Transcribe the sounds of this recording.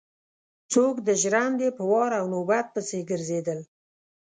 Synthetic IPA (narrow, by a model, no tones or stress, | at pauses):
t͡sokd̪əʒɾand̪epəwɑɾawnobat̪̚pəseɡəɾzed̪əl